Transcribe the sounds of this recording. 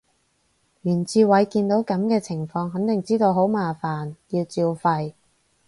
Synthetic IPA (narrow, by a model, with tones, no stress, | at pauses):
jyː˨˩nt͡siː˧wɐ˨˧˥jkiː˧nt̪o˨˥wkɐ˨˥mkɛː˧t͡sʰɪ˨˩ŋfɔː˧ŋɦɐ˨˥ŋt̪ɪ˨ŋt͡siː˥t̪o˧wɦo˨˥wmaː˨faː˨˩njiː˧wt͡siː˧wfɐ˧j